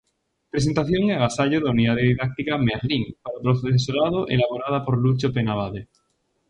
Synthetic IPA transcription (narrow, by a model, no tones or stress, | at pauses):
pɾe̞s̬e̞nt̪aθjo̞ŋeaɣasaʎoðauniðaðeðiðak̚t̪ikameɾliŋpaɾopɾoθoeðefesoɾað̞oʔḛlaβoɾað̞apo̞ɾlut͡ʃopenaβaðe